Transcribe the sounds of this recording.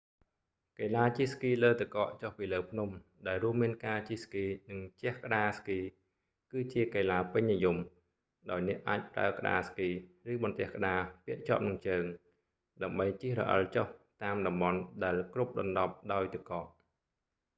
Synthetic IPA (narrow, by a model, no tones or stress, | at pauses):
kelaːt͡ɕihskiːləːt̪ɨkɑːʔt͡ɕohpiːləːpʰnum | ɗaɛlruəmːiənkaːt͡ɕihskiːnɨŋt͡ɕɛ̆əhkə̆ɗaːskiː | kɨːt͡ɕiəkaːlaːpɨɲnijum | ɗaɔjnɛ̆əʔaːc̚pra̰əkə̆ɗa̰ːskiːrɨːɓɑnt̪ɛ̆əhkə̆ɗaːpiəʔt͡ɕɑ̆əp̚nɨŋt͡ɕəːŋ | ɗaəmɓəjt͡ɕihrɔ̰ʔə̰lt͡ɕoht̪aːmɗɑmɓɑnɗaɛlkrup̚ɗɑnɗɑp̚ɗaɔjt̪ɨkɑːʔ